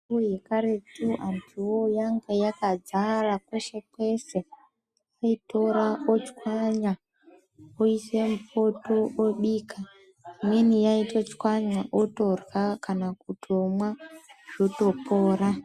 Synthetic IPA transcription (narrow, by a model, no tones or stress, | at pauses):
ujekaɾetuʔantʰiwojaŋɡejakad͡zarakweʃekwe̞se | aito̞ɾaot͡ʃi̥kwaɲa | oisemupo̞tooɓiːkʰa | imwenijaitot͡ʃi̥kwaɲaʔoto̞rwakanakutiomwaʐ̥oto̞poːɾa